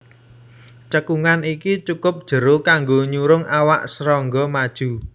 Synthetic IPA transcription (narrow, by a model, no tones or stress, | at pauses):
t͡ʃəkuŋanikit͡ʃukʊp̚d̥ʒ̥ə̤ɾokaŋɡoɲuɾʊŋʔawaʔsəɾɔŋɡɔmad̥ʒ̥ṳ